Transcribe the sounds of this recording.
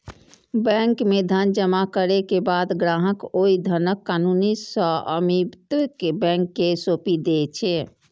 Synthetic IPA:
bɛ̃ŋkmed̪ʱənd͡ʒəmakəɾekebad̪ɡɾaɦəkoid̪ʱənəkːanunisə̃ə̰mibt̪kebɛ̃ŋkːesopid̪et͡ʃʰɛ

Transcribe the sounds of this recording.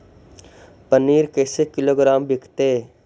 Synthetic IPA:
pəniːɾkeːsekɪloːɡɾaːmbɪkʰt̪e

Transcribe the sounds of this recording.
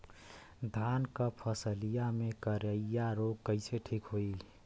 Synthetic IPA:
d̪ʱankəpʰəsəlijamekəɾəijaɾoɡ̚kəɪseʈʰikɦoi

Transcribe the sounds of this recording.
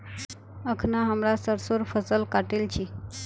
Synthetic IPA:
əkʰnaɦəmlasəɾsoɾfəsəlkaʈelt͡ɕiː

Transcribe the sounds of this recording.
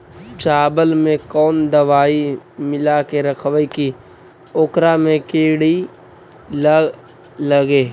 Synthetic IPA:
t͡ʃaːbəlmẽkɔːnd̪əʋaːimɪlakeɾəkʰwəiki | oːkɾamẽkeːɽi | l | ləɡeː

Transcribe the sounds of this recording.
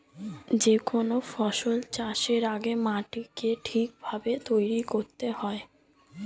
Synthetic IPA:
d͡ʑekonofɔʃolt͡ɕaʃeɾaɡemaʈikeʈʰik̚bʱabet̪ojɾikoɾt̪ehɔe

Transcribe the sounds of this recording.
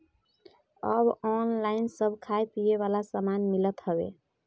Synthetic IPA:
əbɔnlainsəbʱkʰajpijeβalasəmanmilət̪ɦəbḛ

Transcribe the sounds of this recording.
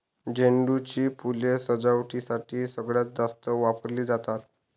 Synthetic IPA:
d͡ʑeɳɖut͡ɕiːpulesəd͡zaʋʈisaʈʰiːsəɡɭjat͡s̚d̪ast̪əʋapəɾliːd͡zat̪at̪

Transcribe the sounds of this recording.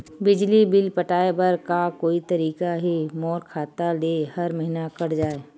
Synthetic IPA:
bɪd͡ʒlibɪlpəʈaːebɐɾkakoːit̪ɐɾiːkaɦimɔːɾkʰaːt̪aleːhɐɾmɐɦinakɐɽd͡ʒaːe

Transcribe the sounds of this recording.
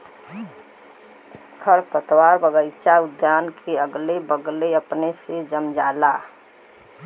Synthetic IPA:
kʰəɾpət̪waːɾbəɡəɪt͡ʃaʊd̪jaːnkʰeəɡlebəɡleəpnesed͡ʒəmd͡ʒaːla

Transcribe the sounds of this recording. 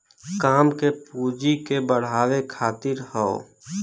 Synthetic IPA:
kaːmkepuːd͡ʒikebəɽ̤aːwekʰaːt̪ɪɾhɔo̰

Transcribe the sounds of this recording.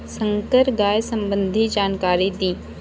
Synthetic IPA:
sə̃ŋkəɾɡaːjsɐ̃mbə̃nd̪ʱid͡ʒaːnkaːɾid̪iː

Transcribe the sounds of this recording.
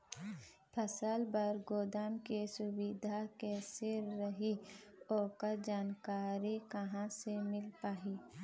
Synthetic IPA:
pʰɐsalbɐɾɡoːd̪aːmkesʊbid̪ʱakesɪɾːəɦioːkəd͡ʒaːnkaːɾikɐɦãsemɪlpaːɦiː

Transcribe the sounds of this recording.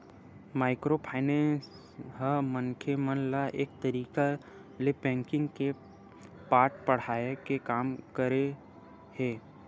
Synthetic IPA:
maːɪkɾopʰaːɪnẽs | ɦəmənkʰemənlaʔeːk̚t̪ɐɾiːka | lepɛ̃ːŋkɪ̃ŋɡke | paːɾʈpɐɽ̤aːekekaːmkəɾe | heː

